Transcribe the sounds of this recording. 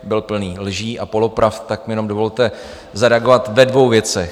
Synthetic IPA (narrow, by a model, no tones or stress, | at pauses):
bɪlpl̩niːlʒiːʔapo̞lo̞pɾaft̪akmjɛno̞mdo̞vo̞lt̪ɛ | zaɾɛaɡo̞vat̪vɛdvo̞wvjɛt͡sɛx